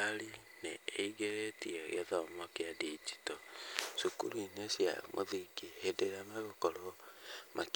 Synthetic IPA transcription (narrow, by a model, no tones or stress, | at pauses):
ɾi | nḛːiɡeɾetiɔj̰oðɔmɔkeadid͡ʒi̥toʃukṵɾuinesja̰mʔoðiɡihedeɾamaɾokoɾomʔak